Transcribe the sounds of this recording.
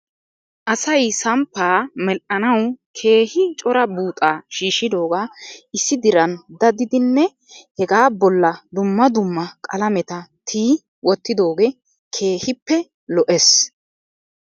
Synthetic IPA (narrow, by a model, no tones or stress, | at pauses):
ʔɐsɐjsɐmpːaːmɛʔɐnɐwkʰe̞ːhɪt͡ʃʼɔɾɐbuːt̪ʼaːʃiːʃɪd̪o̞ːɡaːʔɪsːɪd̪ɪɾɐnd̪ɐd̪ɪd̪ɪnːɛ | hɛɡaːbɔlːɐd̪ʊmːɐd̪ʊmːɐkʼɐlɐmɛt̪ɐt̪ʰiː | wɔt̪ːɪd̪o̞ːɡeː | kʰe̞ːhɪpːɛ | lɔʔɛs